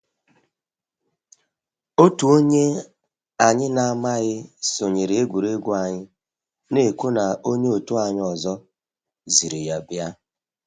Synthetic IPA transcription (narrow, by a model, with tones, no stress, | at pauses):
o˦tu˨o˦ɲe˦ | a˨ɲɪ˦na˨a˨ma˦ɣɪ˦so˨ɲe˨ɾe˨e˦ɡʷu˨ɾe˦ɡʷu˦a˨ɲɪ˦ | ne˨ku˦na˨o˦ɲe˦o˨tu˦a˨ɲ˦ɔ˨zɔ˦ | zi˨ɾi˨ja˨bja˦